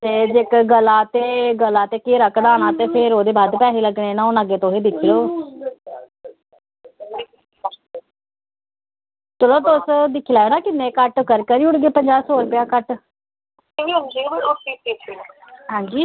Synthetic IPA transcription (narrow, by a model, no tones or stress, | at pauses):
t̪eːd͡ʒekɡəlaːt̪eːɡəlaːt̪eːkeːɾəkd̪aːɽ̃aːt̪eːpʰɪɾoːd̪eːbaːd̪pɛːɦiːləɡɳeːnãːʊnəɡeːt̪oːɦeːd̪ɪkʰːiloː | t͡ʃəloːt̪ʊsd̪ɪkʰːilaːeːnaːkɪnːẽːkəʈkəɾkəɾiːʊɽɡeːpəɲd͡ʒaːsoːlpɪjaːkəʈ | iɦə̃nd͡ʒiːosiːpiːsi | ɦãːɲd͡ʒiː